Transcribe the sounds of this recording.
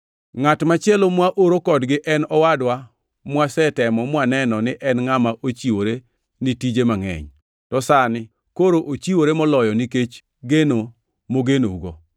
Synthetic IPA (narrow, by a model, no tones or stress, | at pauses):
ŋatmat͡ʃɪɛlomwaʔoɾokɔdɡɪʔɛnɔwadwa | mwasɛtɛmɔmwanɛnɔnɪʔɛnŋamaʔot͡ʃiwoɾe | nitid͡ʒemaŋɛ̰ɲ | tɔsanɪ | koɾoʔot͡ʃiwoɾemɔlɔjɔniket͡ʃ | ɡeno | moɡeno̰uɡɔ̰